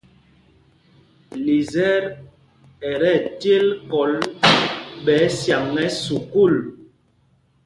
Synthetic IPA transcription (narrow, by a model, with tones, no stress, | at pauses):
li˨zɛ˦ɾ | ɛ˨ɾɛ˦˨tje˦lkɔ˨˦l | ɓɛː˨˦sja˨ŋɛ˦su˨ku˦˨l